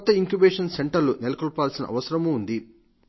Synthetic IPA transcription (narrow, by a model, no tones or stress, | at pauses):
kɔt̪ːɐiŋkjubeːʂɐnseɳʈɐɾlunelɐkɔɭpaːlsinɐ̰ʔɐ̰ʋɐsɐɾɐmuːnd̪i